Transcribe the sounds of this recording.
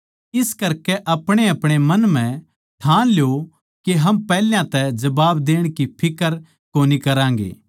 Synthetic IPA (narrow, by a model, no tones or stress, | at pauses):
ɪskɐɾkɛʔɐpɽ̃eɐpɽ̃emɐnm̤ɛ̃ | ʈʰãːljo | keɦɐmpɛːljãt̪ɛd͡ʒɐbaːbd̪eːɽ̃kipʰɪkəɾ | koːnikɐɾãːŋ̆ɡḛː